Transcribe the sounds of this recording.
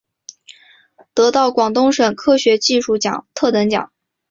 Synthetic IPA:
t̪ɤ˧˥t̪ɑ˥˩ʊkwɑ˨˩ŋt̪ʊ˥ŋʂə˨˩ŋkʰɤ˥ɕɥɛ˧˥t͡ɕi˥˧ʂu˥˩t͡ɕjɑ̰˨˩˦ŋt̪ʰɤ˥˩t̪ə˧˥ŋt͡ɕjɑ̰˨˩˦ŋ

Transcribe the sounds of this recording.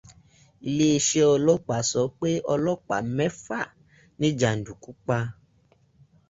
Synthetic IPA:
i˧le˦e˧ʃe˦ɔ˧lɔ˦k͡pa˨sɔ˨˦k͡pe˦ɔ˧lɔ˦k͡pa̰˨mɛ˦fa˦˨ | nĩ˦d͡ʒa˨n̩˨du˨ku˦k͡pa˧

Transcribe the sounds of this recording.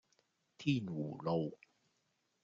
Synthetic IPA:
t̪ʰiː˥˩nwuː˨˩lo˧w

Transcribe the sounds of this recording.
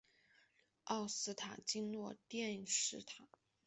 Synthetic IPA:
ɑ˥˩ʊsɹ̩˥t̪ʰa˨˩t͡ɕi˥ŋlwɔ˥˧t̪jɛ˥˧nʂɻ̩˥˩t̪ʰa˨˩˦

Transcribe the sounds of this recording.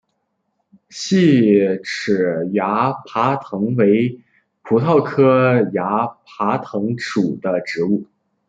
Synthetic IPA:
ɕi˥˩ʈ͡ʂʰɻ̩˨˩ja˧˥pʰa˧˥t̪ʰɤ˧˥ŋwe˧˥ɪ | pʰu˧˥t̪ʰɑ˥˩ʊkʰɤ˥ja˧˥pʰa˧˥t̪ʰɤ˧˥ŋʈ͡ʂu˨˩d̪̥ə˦ʈ͡ʂɻ̩˧˥u˥˩

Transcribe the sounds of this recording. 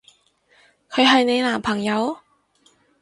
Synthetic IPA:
kʰɵ˨˧ɥɦɐ˨˧jne˨˧jlaː˨˩mpʰɐ˨˩ŋjɐ˨˧w

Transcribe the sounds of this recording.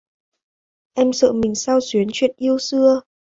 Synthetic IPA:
ʔɛ˧msə̰ː˧˨mï˨˩ŋ̟saː˧wswi˨˦ənt͡ɕwḭ˧˨ənʔi˧əwsɨ˧ə

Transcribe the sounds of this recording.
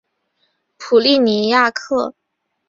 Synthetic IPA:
pʰu˨˩li˥˩ni˧˥ja˥˧kʰɤ˥˩

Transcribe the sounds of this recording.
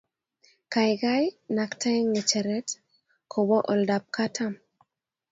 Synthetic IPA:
ka˨jɡa˦jnaktʰa˦ŋe˨t͡ʃɛ˨ɾɛ˦t | kʰɔ˨bɔ˦ʔɔ˨ldap̚katʰam

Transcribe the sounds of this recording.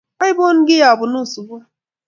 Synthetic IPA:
a˦jbo˦n̩˦ɡɪ˦ja˨bʊ˨nu˦˨su˨bu˦a˦

